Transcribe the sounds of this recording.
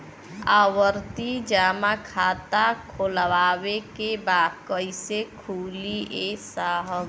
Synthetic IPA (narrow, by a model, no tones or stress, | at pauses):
aːwəɾt̪id͡ʒaːmakʰaːt̪akʰolwaːwekebaːkəɪsekʰuːliesaːɦə